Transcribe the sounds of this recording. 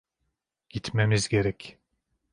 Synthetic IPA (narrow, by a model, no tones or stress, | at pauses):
ɟ̥it̪ʰmemizɡeɾɛc